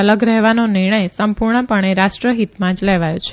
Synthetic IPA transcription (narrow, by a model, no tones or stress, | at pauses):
ələɡɾɛɦʋanonɪɾɳ̃əjsəmpuɾɳəpəɳ̃eɾaʃʈɾəɦit̪mãd͡ʒlɛʋajot͡ʃʰe